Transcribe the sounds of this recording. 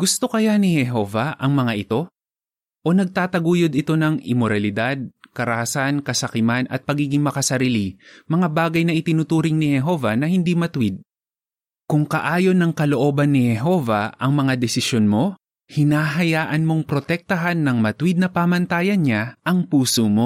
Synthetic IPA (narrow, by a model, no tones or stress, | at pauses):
ɡ̥ʊst̪o̞kɐjanɪhɛɦo̞vɐʔɐŋmɐŋaʔɪt̪o̞ | ʔo̞nɐɡ̚t̪aːt̪ɐɡuːjod̪ɪt̪o̞nɐŋɪ̰moɾɐlɪd̪ad̪̚kɐɾɐhɐsankɐsɐkɪmanʔɐ̰t̪̚pɐɡiːɡɪŋmɐkɐsɐɾiːlɪmɐŋabaːɡɐjnɐʔɪt̪ɪnʊt̪uːɾɪŋnɪhɛɦo̞vɐnɐhɪnd̪imɐt̪wɪd̪̚ | kʊŋkɐʔaːjo̞nɐŋkɐloʔo̞ːbɐnːɪhɛɦo̞vɐ̰ɐŋmɐŋad̪ɛsɪsjonmo̞ | hɪnaːɦɐjaːʔɐnmo̞ŋpɾo̞t̪ɛk̚t̪ɐɦanːɐŋmɐt̪wɪd̪̚nɐpaːmɐnt̪aːjɐnɲaʔɐŋpuːsomo̞